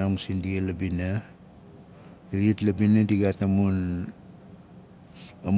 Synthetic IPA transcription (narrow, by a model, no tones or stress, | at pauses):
aŋsindialabina | iɾitlabinadiɡatamun | am